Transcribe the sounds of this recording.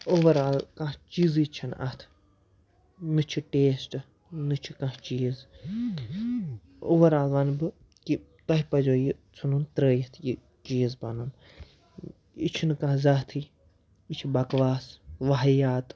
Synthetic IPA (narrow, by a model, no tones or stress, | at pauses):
oʋɐɾalkãt͡ʃizit͡ʃʰɐnɐ̰t̪ʰ | nɨt͡ʃʰiʈeːsʈɨ | nɨt͡ʃʰikãht͡ʃiːz | o̰ʋɐɾaːlʋɐnbɨ | ki | k̪ɐɦipɐd͡ʒoːjit͡sʰununt̪ɾəːjit̪ʰji | t͡ʃiːzbɐnɐm | ḭt͡ʃʰinkãːzɐt̪ʰi | it͡ʃʰibɐkʋaːsʋɐɦɐjaːt̪